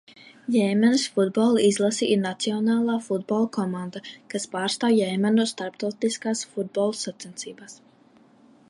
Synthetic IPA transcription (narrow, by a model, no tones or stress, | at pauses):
jɛjmɛnsfud̪̚bɔlˠizlˠasiʔiɾnat̪siɔnaːlˠaːfud̪̚bɔlˠkɔmand̪akaspaːɾst̪aːwjɛjmɛnust̪aɾpt̪awt̪iskaːsfud̪̚bɔlˠsat̪sɛnt̪siːbaːs